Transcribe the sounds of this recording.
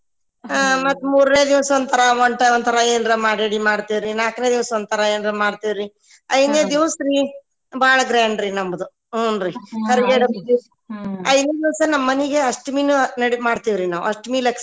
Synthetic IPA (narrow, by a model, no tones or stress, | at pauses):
mɐt̪ːmuːɾneːd̪iʋsond̪t̪ʰɐɾɐʋoɳʈɐond̪t̪ʰɐɾɐeːnɾemaːɽeɽimaːɽt̪iʋɾinaːkned̪iʋsond̪t̪ʰɐɾɐeːnɾemaːɽt̪iʋɾi | ɐjd̪neːd̪iʋɐsɾi | bʱaːɭɐɡɾaːɳɖɾinɐmbɐd̪uː | nɾikɐɾɡeːɽɐi | ɐjd̪neːd̪iʋɐsɐnɐmːɐniɡeɐʂʈmiːnunɐɽimaːɽt̪iʋɾinaːʋuɐʂʈmiːlɐks